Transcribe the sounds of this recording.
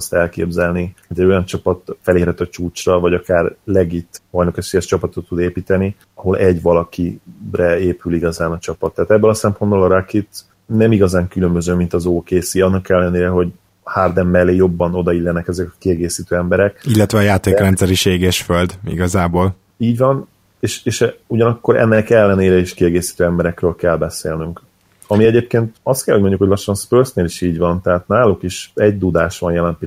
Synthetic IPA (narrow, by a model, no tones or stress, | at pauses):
st̪ɛlkḛːbzɛlnioɟɛɟo̞jɒnt͡ʃɒpɒt̪fɛleːɾɛt̪ɒt͡ʃuːt͡ʃrɒvɒɟɒkaːrlɛɡit̪vɒjnokɛʃfiɛʃt͡ʃɒpɒt̪o̞t̪ːud̪eːpiːt̪ɛni | ɒɦo̞lʔɛɟʋɒlɒkirɛeːpyliɡɒzaːnɒt͡ʃɒpɒt̪ːɛːt̪ɛbːɛlɒsɛmpo̞nbolɒɾakit̪ | nɛmiɡɒzaːŋkylø̞mbø̞zøːmint̪ɒzoːkeːsiɒnːɒkɛlːɛneːɾɛɦo̞ɟ | hard̪ɛmːɛlːeːjo̞bːɒno̞d̪ɒilːɛnɛkɛzɛkɒ̥kiɛɡeːsiːt̪øːɛmbɛɾɛkilːɛt̪ʋɛɒjaːt̪eːkrɛnt̪sɛɾiʃeːɡeʃføld̪ḭɡɒzaːboːl | iːɟʋɒn | eːʃeːʃɛuɟɒnɒkːo̞ɾʔɛ̰nːɛkɛlːɛneːɾɛiʃkiɛɡeːsi̥t̪øːɛmbɛɾɛkrøːlkɛlbɛseːlnyŋk | ɒmiɛɟeːp̚keːnt̪ɒst̪kɛlhoɟ̚ʲmoɲɟukhoɟlɒʃːɒnspøːrsneːliʃiːɟʋɒnt̪ɛɦaːt̪naːlukiʃɛɟ̚d̪ud̪aːʃʋɒnjɛlɛmp